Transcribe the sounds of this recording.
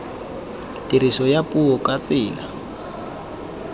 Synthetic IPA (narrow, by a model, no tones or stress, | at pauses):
tiɾisɔjapʼuɔkat͡sɪːla